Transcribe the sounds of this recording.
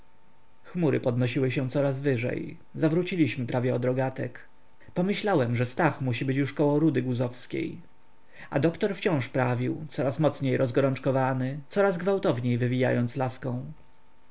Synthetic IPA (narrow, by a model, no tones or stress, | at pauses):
xmuɾɘpɔd̪nɔɕiwɘɕɛ̃t̪sɔɾazvɘʐɛ̰j | zavɾut͡ɕilʲiɕmɘpɾʔavʲjɛɔd̪ɾɔɡat̪ɛ̰k | pɔmɘɕlawɛmʐɛst̪axmuɕ̬ibɘt͡ɕjuʂkɔwɔ̃ɾud̪ɘɡuzɔfskʲḛj | a̰d̪ɔkt̪ɔɾft͡ɕɔ̃w̃ʂpɾavʲiwt̪sɔɾasmɔt̪sɲejɾɔzɡɔɾɔnt͡ʂkɔvanɘt̪sɔɾazɡvawt̪ɔvɲejvɘvʲija̰jɔnt̪slaskɔ̃w̃